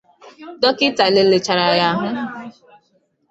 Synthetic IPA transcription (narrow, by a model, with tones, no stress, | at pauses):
dɔ˦kɪ˦ta˨le˨le˨t͡ʃa˨ɾa˨ja˦ɦʊ˦